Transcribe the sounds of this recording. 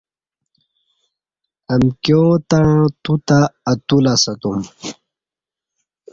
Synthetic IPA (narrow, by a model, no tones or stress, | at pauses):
ɐmkjot̪aɻãt̪ut̪aːt̪ulasɐt̪um